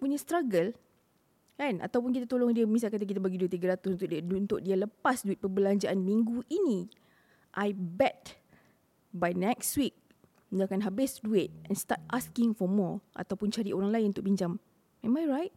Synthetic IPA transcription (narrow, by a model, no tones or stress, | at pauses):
puɲãst̪ɾaɡəl | kana̰t̪awpʊnkit̪at̪olɔŋdiəmis̬alkat̪̬akit̪abaɡiduit̪iɡəɾat̪ʊsunt̪ʊkdunt̪ʊʔ̚dialəpasduɪt̪̚pəbəlaɲd͡ʒaʔanmĩŋɡuʔini | ʔajbɛt̚ | bajnɛkswik̚ | dakanɦabɪsduɪt̪̚ʔɛ̃nst̪a̰t̪̚ʔaskɪ̃ŋfɔmɔʔa̰t̪awpʊnt͡ʃaɾiʔoɾaŋlaɪnunt̪ʊkpiɲd͡ʒam | ɛ̃majɹajt̚